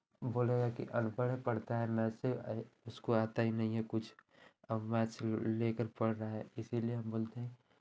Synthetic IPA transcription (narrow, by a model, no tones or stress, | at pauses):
boːleɡakḭʔə̰npəɽepəɽt̪aɦɛnasɪbʊskoat̪aɦinəɦĩɦẽkʊt͡ʃʰ | əmɛt͡ʃlekəɾpəɽɾaɦɛɪsilieɦəmboːlt̪eɦɛ̃